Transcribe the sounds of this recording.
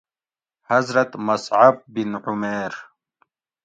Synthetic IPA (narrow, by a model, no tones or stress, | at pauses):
hazɾɐt̪masʕab̚ːinʕʊmeːɾ